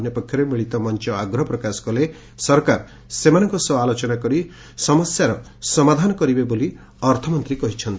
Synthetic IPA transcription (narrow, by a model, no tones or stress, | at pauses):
njɔpɔkʰjɔɾemiɭit̪ɔmɔnt͡ʃɔaɡɾɔpɾɔkasɔ̥kɔle | sɔɾkaɾɔ | semanɔŋkɔsɔalot͡ʃɔnakɔɾi | sɔmɔsjaɾɔ | sɔmad̪ʱanɔkɔɾibeboli | ɔɾt̪ʰɔmɔnt̪ɾikɔɦit͡ʃʰɔnt̪i